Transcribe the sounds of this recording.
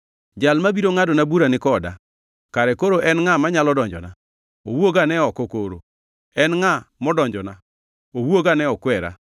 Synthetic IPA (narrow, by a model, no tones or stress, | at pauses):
d͡ʒalmabiɾoŋadɔnabuɾanɪkɔda̰ | kaɾɛkoɾoʔɛnŋamaɲalɔdɔɲd͡ʒɔ̰na | owoɡanɛɔkɔkoɾo̰ | ɛnŋamɔdɔɲd͡ʒɔna | owoɡanɛɔkwɛɾa̰